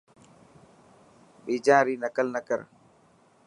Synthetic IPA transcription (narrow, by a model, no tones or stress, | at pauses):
ɓɛd͡ʒaːɾinakalnakaɾ